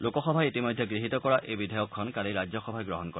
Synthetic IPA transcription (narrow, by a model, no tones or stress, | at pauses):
lokɔxɔbʱaitimɔjdʱjɔɡɹiɦit̪ɔkɔɹaʔejbidʱajɔkʰːɔnkaliɹad͡ʒɔxɔbʱajɡɹɔɦɔnkɔ